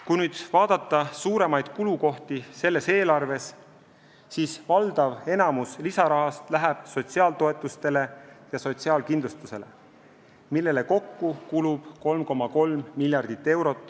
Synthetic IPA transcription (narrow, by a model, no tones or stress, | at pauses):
kujnyːd̪̥vɑːd̪̥ɑt̪ːˑɑsuːɾe̞mɑjd̪̥kuluko̞ht̪ise̞lːe̞se̞ːlɑrve̞sː | iːsvɑld̪̥ɑve̞nɑmuslisɑɾɑɦɑst̪læɦæb̥so̞t̪ʲsiɑːlt̪o̞e̞t̪ːˑust̪e̞le̞jɑso̞t̪siɑːlkind̪lust̪use̞le̞ | milːe̞le̞ko̞kːukulub̥ko̞lmko̞mːɑko̞lmːilʲjɑrd̪̥it̪ːe̞wɾo̞t̪ːˑ